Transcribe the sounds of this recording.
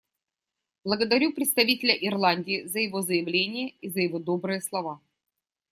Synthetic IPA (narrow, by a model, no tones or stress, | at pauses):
blˠəɡəd̪ɐɾʲupɾʲɪt̪st̪ɐvʲitʲɪlʲəʔɪrlˠanʲdʲiːzəjɪvo̞zəjɪvlʲenʲɪjəizəjɪvod̪o̞bɾɨjəslˠɐva